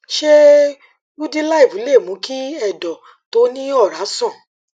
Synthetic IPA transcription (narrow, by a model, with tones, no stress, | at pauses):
ʃe˦ | u˦di˦la˦i˨vu˨˦le˦˨mũ˨˦ki˦ɛ˦˨dɔ˨ | to˨˦nĩ˦ɔ˦˨ɾa˨˦sɔ̃˦˨